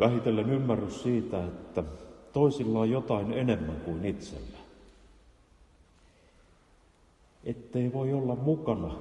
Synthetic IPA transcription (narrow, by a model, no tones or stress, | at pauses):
ʋæhit̪elːenymːærːyssiːt̪æet̪ːæt̪oˑisilːɑːjjot̪ɑˑinenemːæŋkuinit̪sḛlːæ | ʔet̪ːeiʋoiolːɑmmukɑnɑ